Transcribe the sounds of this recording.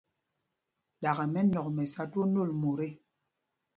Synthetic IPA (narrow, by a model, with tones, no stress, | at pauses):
ɗa˨ɣɛ˨mɛ˦nɔ˨k̚mɛ˨sa˦two˦no˦˨lmo˨ɾe˦˨